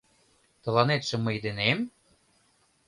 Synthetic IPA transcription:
t̪ɤ̆lɑnet̪ʃĕmɤ̆jd̪enem

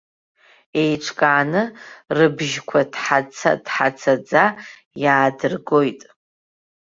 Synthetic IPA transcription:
e̞jʈ͡ʂʷʰkʼaːnɨrɨbʒkʷʰadħat͡sʰa̰dħat͡sʰad͡za | jaːdɨrɡo̞jtʼ

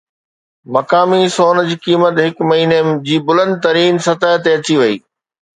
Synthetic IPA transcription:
mɐkaːmisoːnd͡ʑiːkiːmət̪ɦɪkmɐɦiːned͡ʑiːbʊlə̃nd̪̚t̪ɐɾiːnsɐt̪əɦt̪eɐt͡ɕiʋɐḭː

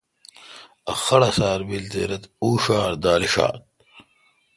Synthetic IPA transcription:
ɐxɐɽɐsaːɾbilt̪ḛːɾɐt̪uːʂaːɾd̪aːliʂa̰ːt̪̚

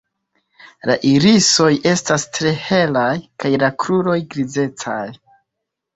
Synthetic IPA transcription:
la̰ʔiɾiso̞je̞stastɾe̞he̞lajkajlakɾuɾo̞jɡɾize̞t͡sa̰j

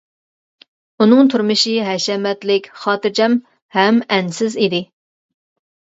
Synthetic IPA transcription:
unɨŋt̪ʰuɾmɨʃiɦɛʃɛmɛt̪lɪkʲχɑːt̪ɨɾd͡ʒɛm | hɛmɛnsɪzid̪ɪ

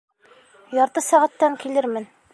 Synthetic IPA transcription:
jɒɾt̪ɤsæʁæt̪ːæŋkilɘɾmɘn

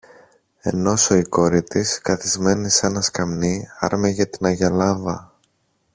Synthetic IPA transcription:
e̞̰no̞so̞iko̞ɾit̪iskɐθizme̞nisenɐskɐmniɐ̰ɾmeʝɐt̪inɐʝɐlɐvɐ

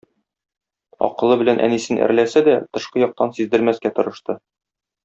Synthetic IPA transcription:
ɒ̰qɤ̆lˠɤbɘ̆lænʔæ̰nisɘnʔæ̰ɾlæsæd̪æt̪ɤ̆ʃqɤjɒq̚t̪ɑnsizd̪ɘ̆lmæskæt̪ŏɾɤ̆ʃt̪ɤ

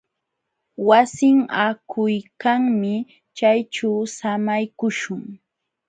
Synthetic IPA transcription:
wasɪŋakʰʊjkaŋmɪ | t͡ʃajt͡ʃawsamajkʊʃʊŋ

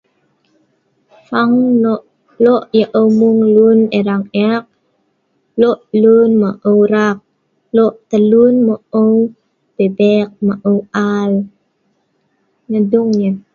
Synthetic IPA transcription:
faŋnɔʔ | lɔʔjəʔəwmuŋluneɾaŋɛk̚ | lɔʔlunmaʔəwɾak̚ | lɔʔt̪əlunməʔəw | bebɛk̚maʔəwal | ɲəduŋɲə

